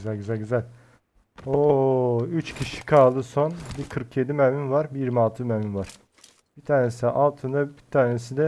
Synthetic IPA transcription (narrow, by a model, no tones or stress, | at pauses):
zælʲɟyzælʲɟyzælʲ | o | yt͡ʃcʰiʃi̥kʰalˠd̪ɯso̞nbikʰɯɾkjed̪imæminvaɾbijiɾmialˠt̪ʰɯmæmynvaɾ̥ | b̥it̪ʰaːnesid̪ɛʔalˠt̪ʰɯnd̪abit̪ʰaːnesid̪ɛ